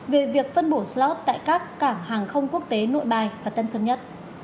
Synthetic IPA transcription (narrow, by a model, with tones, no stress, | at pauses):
ve˨˩vi˨˩ək̚fə˧nɓo˧˩slɔ˦˥t̚t̪a̰ː˧˨jkaː˦˥kːaː˧˩mhaː˨˩ŋxə˧wŋ͡mku˦˥ək̚t̪e˨˦no̰˧˨jɓaː˨˩jvaː˨˩t̪ə˧nsə˧nɲə˦˥t̚